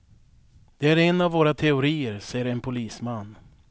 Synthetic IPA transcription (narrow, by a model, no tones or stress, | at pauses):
d̪̥ɛæɾɛnavːoːɾat̪ʰɛʊɾiːəɾsɛjːəɾɛnpʰʊliːsmanː